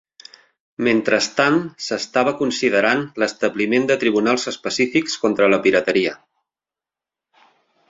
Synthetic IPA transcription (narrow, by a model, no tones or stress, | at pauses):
ment̪ɾəst̪ansəst̪aβəkunsiðəɾanləst̪əβlimend̪ət̪ɾiβunalˠzəspəsifikskont̪ɾələpiɾət̪əɾiə